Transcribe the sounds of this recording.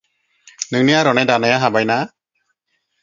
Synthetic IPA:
nɯŋnijaɾɔnɛjdanajaɦabajna

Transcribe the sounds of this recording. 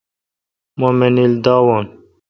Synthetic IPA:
momenild̪ɑːwɑːn

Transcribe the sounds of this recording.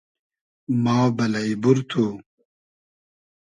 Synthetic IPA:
mɑːbɐlɐjbuɾt̪ʰu

